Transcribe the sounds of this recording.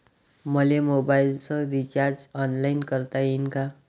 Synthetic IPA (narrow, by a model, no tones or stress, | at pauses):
mʌlemobajilsʌ̃ɾit͡ʃard͡zʌnlajnkʌɾt̪ainka